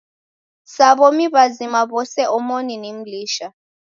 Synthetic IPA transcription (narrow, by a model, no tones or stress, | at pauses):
saβomiβazimaβɔsɛʔɔmoninem̩liːʃa